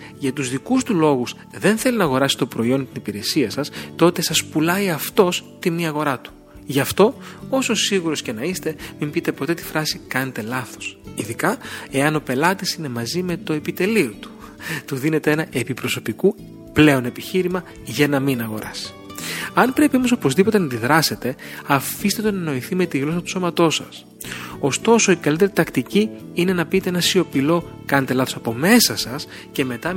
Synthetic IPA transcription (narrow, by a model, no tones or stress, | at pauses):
ʝɐt̪uzðikust̪ulo̞ɣus | ðe̞nθe̞linɐɣo̞ɾɐsi̥t̪o̞pɾo̞io̞nt̪inipiɾe̞siɐsɐst̪o̞t̪e̞sɐspulɐjɐft̪o̞st̪imiɐɣo̞ɾɐt̪u̥ | ʝɐft̪o̞o̞so̞siɣuɾo̞sce̞nɐist̪e̞mimbit̪e̞po̞t̪e̞t̪i̥fɾɐsikɐne̞t̪e̞lɐθo̞̥siðikɐe̞ɐno̞pe̞lɐt̪isine̞mɐzime̞t̪o̞e̞pit̪e̞liot̪u̥ | t̪uðine̞t̪e̞e̞nɐʔe̞pipɾo̞so̞piku | ple̞o̞ne̞piçiɾimɐ | ʝɐnɐminɐɣo̞ɾɐ̰si̥ɐnpɾe̞piome̞sopozðipo̞t̪e̞nɐd̪iðɾɐse̞t̪e̞ɐfist̪e̞t̪enɐno̞iθime̞t̪iɣlo̞s̬ɐt̪u̥so̞mɐt̪o̞sɐ̰s | o̞st̪o̞so̞ikɐlit̪e̞ɾit̪ɐkt̪iciine̞nɐpit̪eenɐsio̞pilo̞ | kɐnet̪elɐθo̞sɐpo̞me̞sɐsɐs | ce̞me̞t̪ɐ